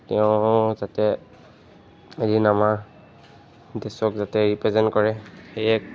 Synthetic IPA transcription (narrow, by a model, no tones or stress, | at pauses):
tɛʊ̃zatɛ | eɹinama | dɛsɔkzatɛɹipɹɛzɛntkɔɹɛxejɛk